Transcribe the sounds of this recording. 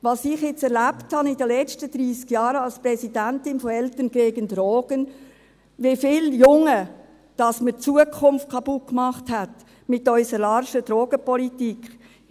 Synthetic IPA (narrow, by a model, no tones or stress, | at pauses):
ʋɑsɪχjɪt͡sɛɾlæpthɑnidəlɛt͡ʃtəd̥̪ɾiːskjɑːɾəɑlspɾɛsidæntɪnfɔɛltənɡ̥eːɡəndɾoːɡ̥ən | ʋɪfɪːljʊŋə | d̥ɑsmət͡suəkʰʊnft̚kʰɑb̥ʊkmɑχthæt | mɪtœʏsəɾlɑɾʃəd̥ɾoːɡ̥əpɔlitik